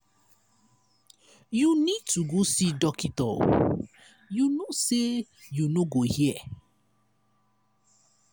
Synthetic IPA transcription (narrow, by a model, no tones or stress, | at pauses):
junid̚tuɡosidɔkitɔ̰l | junose | junoɡohiɛ